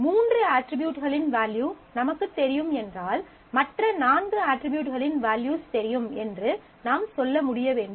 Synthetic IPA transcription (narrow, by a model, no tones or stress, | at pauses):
muːndrɯaːʈɾɪbjuːʈɣɐɭɪnʋaːljuː | nɐmɐkːɯt̪ːɛɾɪjɯmɛndraːl | mɐʈrɐnaːnɡɯaːʈɾɪbjuːʈɣɐɭɪnʋaːljuːst̪ɛɾɪjɯmɛndrɯ | naːmsɔlːɐmʊɽɪjɐʋeːɳɖɯ